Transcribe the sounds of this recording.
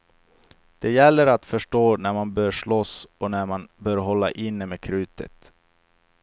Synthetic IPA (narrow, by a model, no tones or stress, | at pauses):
d̪̥ɛjɛlːəɾat̪fœʂʈoːnæɾmanbœːʂɭɔsɔnæmanbœːɾɦɔlːa̰ʔɪnːəmeːkʰɾʉ̟ːt̪ə̰t̪